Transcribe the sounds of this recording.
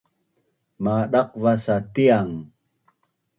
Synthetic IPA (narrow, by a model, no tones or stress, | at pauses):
maɗaq̚vasatiaŋ